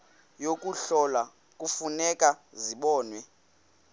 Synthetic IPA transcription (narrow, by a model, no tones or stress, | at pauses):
jok̬ʼuɬɔla | k̬ʼufunɛkʼaziɓɔːnwɛ